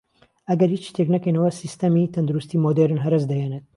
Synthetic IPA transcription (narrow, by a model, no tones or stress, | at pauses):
ʔɐɡɐɾhiːt͡ʃt̪ʰeknɐkɐjnɐwɐsist̪ɐmit̪ʰɐnd̪uɾust̪iːmod̪eɾɨnɦɐɾɐsd̪ɐjenet̪̚